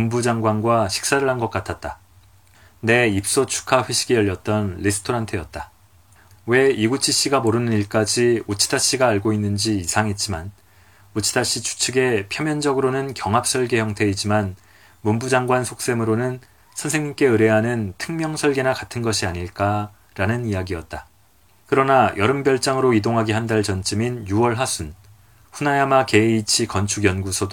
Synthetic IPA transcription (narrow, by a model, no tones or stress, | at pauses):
mumbud͡ʑaŋɡwanɡwaɕʰi̥k̚s͈aɾɯɭɦanɡʌk͈atʰat̚t͈a | ne̞ip̚s͈ot͡ɕʰu̥kʰaɸweɕʰi̥ɡijʌʎːʌt̚t͈ʌnlisʰɯ̥tʰoɾantʰɯjʌt̚t͈a | we̞iɡut͡ɕʰiɕ͈iɡamoɾɯnɯniɭk͈ad͡ʑiut͡ɕʰi̥daɕ͈iɡaːɭɡoinːɯnd͡ʑiːsʰaŋit̚t͡ɕ͈iman | ut͡ɕʰi̥daɕ͈it͡ɕʰu̥t͡ɕʰɯɡe̞pʰjʌmjʌnd͡ʑʌɡɯɾonɯnkjʌŋɦap̚s͈ʌɭɡe̞çjʌŋtʰe̞id͡ʑiman | mumbud͡ʑaŋɡwansʰok̚s͈e̞mɯɾonɯn | sʰʌnsʰe̞ŋɲik͈e̞ɯɾe̞ɦanɯntʰɯŋmjʌŋsʰʌɭɡe̞nakatʰɯnɡʌɕʰiaɲiɭk͈a | ɾanɯnijaɡijʌt̚t͈a | kɯɾʌnajʔʌɾɯmbjʌɭt͡ɕ͈aŋɯɾoidoŋɦaɡiɦandaɭt͡ɕʌnt͡ɕ͈ɯminjuwʌɭɦasʰun | ɸunajamake̞it͡ɕʰikʌnt͡ɕʰuɡjʌnɡusʰʌd